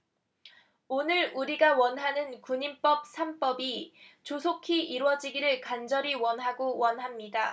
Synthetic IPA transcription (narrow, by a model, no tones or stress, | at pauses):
onɯɾuɾiɡawʌnɦanɯnkuɲimp͈ʌp̚sʰamp͈ʌbit͡ɕosʰokʰiʔiɾwʌd͡ʑiɡiɾɯɭkand͡ʑʌɾiwʌnɦaɡowʌnɦamɲida